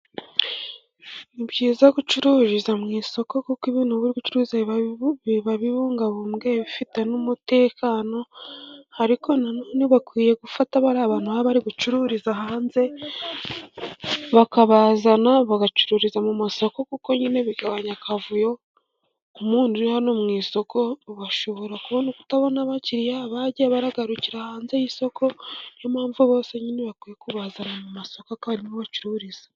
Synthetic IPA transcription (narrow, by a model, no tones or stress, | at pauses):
iβjiːzaɡut͡ʃuɾuɾizamŋiːso̞ko̞kukiβiːnhuβuɾikut͡ʃuɾuzaββaβiβuːŋɡaβumɡeβifite̞numute̞ːkʰano̞haɾikʰo̞nanoniβakwiːje̞ɡufataβaɾaːβaːnuhaaβaɾiɡut͡ʃuɾuɾizaɦaːnze̞ | βakaβaːzanaβaɡat͡ʃuɾuɾizamumaso̞ko̞kuko̞ɲine̞βiɡaβaɲakʰavujo̞ | umuːnduɾihanomŋiːso̞kʰo̞ɡaʃoβo̞ɾakuβonuku̥taβo̞naβaciɾijaβaɟiaβaɾaɡaɾuciɾahaːnze̞jiso̞kʰo̞jomaːɱvuβo̞ːse̞ɲineβakwiːjekuβazanamumasokoakaaɾimoβat͡ʃuɾuɾiz̥ḁ